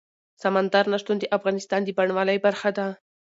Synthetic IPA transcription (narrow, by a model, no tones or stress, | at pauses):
samand̪aɾnaʂt̪und̪əʔafɣɑnɪst̪ɑnd̪əbaɳwɑləjbaɾxad̪a